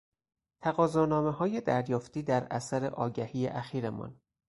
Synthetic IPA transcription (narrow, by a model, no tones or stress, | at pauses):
t̪ʰæɣɒːzɒːnɒːmeɦɒːje̞d̪æɾjɒːft̪iːd̪æɾæ̰sæɾe̞̰ʔɒːɟæhiːjḛʔæxiːɾemɒ̰ːn